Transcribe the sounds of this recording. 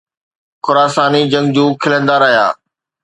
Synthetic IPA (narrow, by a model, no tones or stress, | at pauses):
xʊɾaːsaːnid͡ʑɐ̃ŋɡd͡ʑuːkʰɪlə̃nd̪aːɾɐɦija̰ː